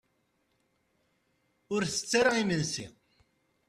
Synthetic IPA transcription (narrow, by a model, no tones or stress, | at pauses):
ʊɾθə̥t͡sːaɾəʁimənsḭ